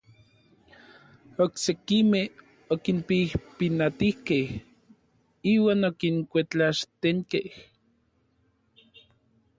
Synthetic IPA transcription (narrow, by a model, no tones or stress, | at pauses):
oksekimeh | okinpihpinat̪ihkeh | iːwaːnokiŋkʷet͡ɬaʃt̪eŋkeh